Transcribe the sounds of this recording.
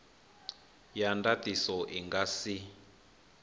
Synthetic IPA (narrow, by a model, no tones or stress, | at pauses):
jandatisɔʔiŋɡasi